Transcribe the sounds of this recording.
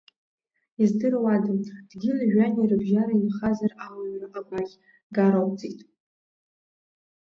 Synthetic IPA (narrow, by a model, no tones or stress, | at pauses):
izdɨrwadɨmʼd̥ɡʲilʒᶣanirɨbʒaɾaimχazarawannɨʔaɡʷakʲ | ɡaɾowt͡sʼitʼ